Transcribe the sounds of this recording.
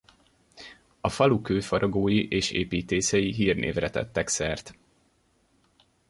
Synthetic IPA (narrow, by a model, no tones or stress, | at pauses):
ɒfɒlukøːfɒɾoɡoːjiʔeːʃḛːpiːt̪eːsɛjiɦiːrnʔḛːvrɛt̪ɛ̰t̪ːɛksɛrt̪